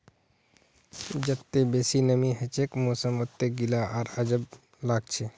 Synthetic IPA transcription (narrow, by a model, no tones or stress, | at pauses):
d͡ʒət̪ːebesinəmiɦet͡ʃʰekmosəmot̪ːeɡilaʔaɾəd͡ʒəb | laɡ̚t͡ʃʰe